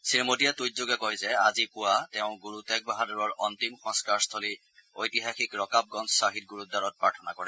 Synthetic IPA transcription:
sinmodijatujzoɡɛkɔjzɛazipʊwatɛʊ̃ɡuɹutɛk̚baɦadɔɹɔɹɔntimxɔ̃nskaɹst̪ʰɔli | ojtiɦaxikɹɔkap̚ɡɔnssaɦit̚ɡuɹutdaɹɔt̚pɹaɹtʰɔnakɔɹɛ

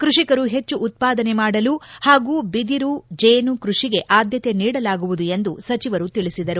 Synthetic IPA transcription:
kɾuʂikɐɾuɦe̞t͡ʃːuʔːt̪̚paːd̪ɐnemaːɽɐluhaːɡuːbid̪iɾud͡ʒeːnukɾuʂiɡe̞ʔaːd̪jɐt̪e̞niːɽɐlaːɡuʋud̪ue̞nd̪usɐt͡ʃiʋɐɾut̪iɭisid̪ɐɾu

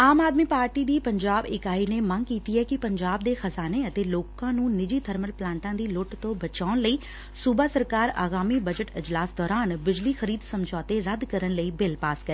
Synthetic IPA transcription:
aːmaːd̪miːpaːɾʈiːd̪iːpəɲd͡ʒaːbɪkaːiːneːməŋkiːt̪iːɛːkɪpəɲd͡ʒaːbd̪eːxəzaːneːət̪eːloːkãːnũːnɪd͡ʒiːt̪ʰəɾməlplãːɳʈãːd̪iːlʊʈt̪õːbət͡ʃaːʊɳləiː | suːbaːsəɾkaːɾa̰ːɡaːmiːbəd͡ʒəʈɪd͡ʒlaːsd̪ɔːɾaːnbɪd͡ʒliːxəɾiːd̪səmd͡ʒɔːt̪eːɾəd̪kəɾənləiːbɪlpaːskəɾe

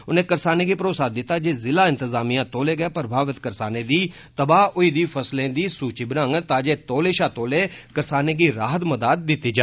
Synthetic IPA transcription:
ʊnẽːkəɾsaːneːɡiːpəɾoːsaːd̪ɪt̪ːaːd͡ʒeːzɪlaːɪ̃nt̪əzaːmijãːt̪oːleːɡəeːpɾəbʱaːʋɪt̪kəɾsaːneːd̪iː | t̪əbaːʊiːd̪iːpʰəslẽːd̪iːsuːt͡ʃiːbənãŋɡt̪ãːd͡ʒeːt̪oːleːʃaːt̪oːleːkəɾsaːneːɡiːɾaːɦət̪məd̪aːd̪̚ːɪt̪ːiːd͡ʒaː

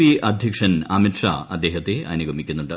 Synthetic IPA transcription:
iɐd̪ʱjɐkʂɐnɐmitʂa̰ːɐd̪ːe̞ːɦɐt̪ːeʔɐnuɡʱɐmikʲːunːuɳɖɨ

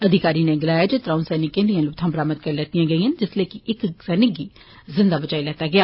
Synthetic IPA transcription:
əd̪ʱɪkaːɾiːnẽːɡɪlaːjaːd͡ʒet̪ɾãːũːsɛːnɪkːẽnd̪ijãːlʊt̪ʰãːbɾaːmət̪̚kəɾlɛːt̪ijãːɡəiːɦənd͡ʒɪsleːkɪʔɪksɛːnɪkːiː | zɪ̃nd̪aːbət͡ʃaːilɛːt̪aːɡɪaː

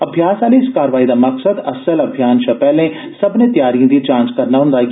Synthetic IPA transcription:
əbʱjaːsaːliɪskaːɾəʋaːid̪aːməksəd̪əsələbʱjaːnʃɐpɛːlẽ | səbnẽːt̪ɪjaːɾijãd̪it͡ʃãːnt͡ʃkəɾnaːɦʊ̃nd̪aːkː

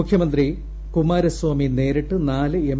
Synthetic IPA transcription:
ukʰjɐmɐnd̪ri | kumaːɾɐswaːmine̞ːɾɐʈːɨnaːlɨem

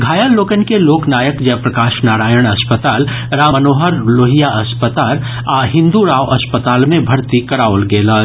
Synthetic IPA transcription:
ɡʱaːjəlːoːkənkeloːknaːjəkd͡ʒɛpɾɐkaːʃnaːɾaːjəɽ̃ɐspət̪aːl | ɾaːmənoːɦəɾloːɦijaʔɐspət̪aːl | aːɦɪ̃nd̪uɾaːʋʔɐspət̪aːlmẽbʱɐɽt̪ikɐɾaːolɡeːlaː

